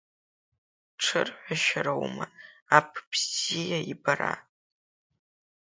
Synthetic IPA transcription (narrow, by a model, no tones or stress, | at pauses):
ʈ͡ʂʰɨrħʷaʃaɾawmɐapʰbzijaibara̰